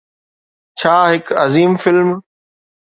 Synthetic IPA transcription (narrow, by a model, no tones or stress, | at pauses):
t͡ɕʰaːɦɪkɐziːmfɪlm